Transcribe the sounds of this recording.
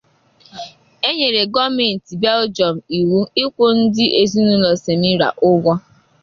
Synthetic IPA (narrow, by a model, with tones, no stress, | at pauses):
e˦ɲe˨ɾe˨ɡɔ˦me˨n̩˨ti˨bɛ˦ld͡ʒɔ˨m̩˨i˨wu˦ɪ˦kʷo˦n̩˦dɪ˦ʔe˨zi˦nu˦lɔ˨se˨mi˦ɾa̰˨ʔʊ˦ɡʷɔ˦